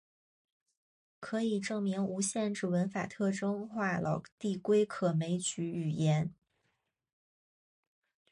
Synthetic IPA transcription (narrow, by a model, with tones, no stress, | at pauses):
kʰɤ˧˥i˨˩ʈ͡ʂɤ˥˩ŋmi˧˥ŋu˧˥ɕjɛ˥˧nʈ͡ʂɻ̩˥˩wə˧˥nfa̰˨˩t̪ʰɤ˥˩ʈ͡ʂɤ˥ŋxwa˥˩lʔɑ̰˨˩ʊt̪i˥˩kwe˥ɪkʰɤ˨˩me˧˥ɪt͡ɕy˧˥y˨˩jɛ˧˥n